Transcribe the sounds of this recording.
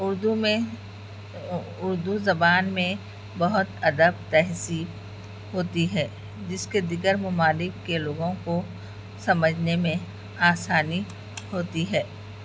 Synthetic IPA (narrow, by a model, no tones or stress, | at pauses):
ʊɾd̪umẽ | ʊɾd̪uzɐbaːnmẽ | bɐɦʊt̪ɐd̪əbt̪ɛɦsiːb | ɦoːt̪iɦɛː | d͡ʒɪsked̪iɡəɾmʊmaːlɪkːeloːɡõko | sɐməd͡ʒʱnemẽ | aːsaːni | hoːt̪iɦɛː